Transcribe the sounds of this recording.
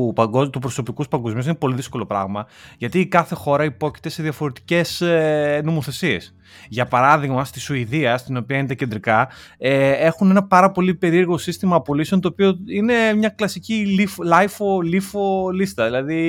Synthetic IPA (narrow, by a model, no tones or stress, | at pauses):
pɐɡot̪upɾo̞so̞pikuspɐŋɡo̞zmiusinepo̞liðisko̞lo̞pɾɐ̰ɣmɐ | ʝɐt̪iːkɐθe̞xo̞ɾɐipo̞ci̥t̪e̞se̞ðjɐfo̞ɾe̞t̪i̥ce̞sno̞mo̞θe̞sie̞̰s | ʝɐpɐɾɐðiɣmɐst̪isuiðiɐst̪ino̞piɐinet̪ɐcend̪ɾikɐee̞xune̞nɐpɐɾɐpo̞lipe̞ɾieɾɣo̞sist̪imɐːpolisent̪oːpio̞ine̞mɲɐklɐsiciliflɐjfolifolist̪ɐðilɐði